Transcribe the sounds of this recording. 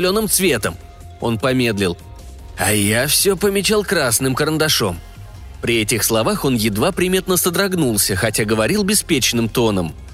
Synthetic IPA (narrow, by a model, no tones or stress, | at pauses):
lʲo̞nɨmt̪svʲe̞t̪əm | o̞̰npɐmʲe̞d̪lʲɪlˠ | ɐjafsʲɵpəmʲɪt͡ɕalˠkɾasnɨmkəɾənd̪ɐʂo̞̰m | pɾʲɪɛtʲɪxslˠɐvaxo̞njɪd̪vapɾʲɪmʲe̞t̪nəsəd̪ɾɐɡnulˠsʲəxɐtʲaɡəvɐɾʲilˠbʲɪspʲet͡ɕnɨmt̪o̞nəm